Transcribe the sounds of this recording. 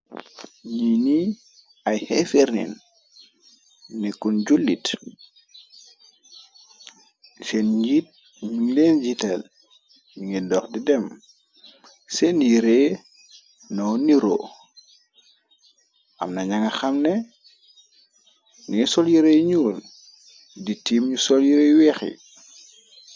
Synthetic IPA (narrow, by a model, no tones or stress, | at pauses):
ɲini | ajhɛfeɾnḭn | ikːunɟulːit | senɟit̚ | ɲiŋlenɟitɛl | niŋidɔxdidɛm | sɛnjɾeː | nɔwniɾo̰ | ʔɐ̰mnaɲaŋɐxɐmnɛ | niŋisɔljiɾejɲuːl | ditiːmɲusɔljiɾejwɛːxḭ